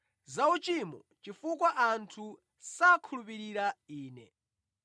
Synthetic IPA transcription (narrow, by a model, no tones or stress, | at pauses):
zaut͡ʃimɔ | t͡ʃifukwaʔantʰu | sakʰulupiɾiɾaiːnɛ